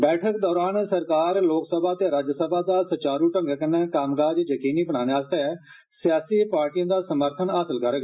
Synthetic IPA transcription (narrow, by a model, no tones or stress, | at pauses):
bɛːʈʰəkd̪ɔːɾaːnsəɾkaːɾloːksəbʱaːt̪eːɾaːd͡ʒəsəbʱad̪aːsət͡ʃaːɾuʈə̃ŋɡkənẽːkaːmɡaːd͡ʒjəkiːniːbəɽ̃aːneaːst̪e | sɪjaːsiːpaːɾʈijə̃d̪aːsəməɾt̪ʰənaːsəlkəɾɡ